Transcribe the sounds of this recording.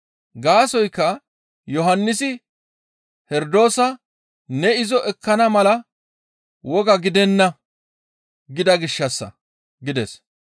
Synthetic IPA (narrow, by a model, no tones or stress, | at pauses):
ɡaːsɔjkːɐ | jɔɦɐnːɪsɪ | hɛɾd̪o̞ːsɐ | nɛɪzɔʔɛkːɐnɐmɐlɐ | wɔɡɐɡɪd̪ɛnːɐ | ɡɪd̪ɐɡɪʃːɐsːɐ̰ | ɡɪd̪ɛs